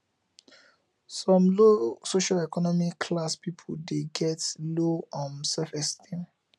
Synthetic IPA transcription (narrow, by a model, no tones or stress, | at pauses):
sɔ̃mlosoʃalɛkɔnɔmikʰlaspipʰoldeɡɛtloɔ̃nsɛfɛstʰĩm